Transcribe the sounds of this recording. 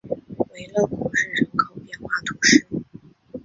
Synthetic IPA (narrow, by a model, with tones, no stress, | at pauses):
we˧˥ɪlɤ˥˩ku˧˩ʂɻ̩˥˩ʈ͡ʂɤ˧˥ŋkʰɑ˥ʊpjɛ˥˧nxwa˥˩t̪ʰu˧˥ʂɻ̩˥˩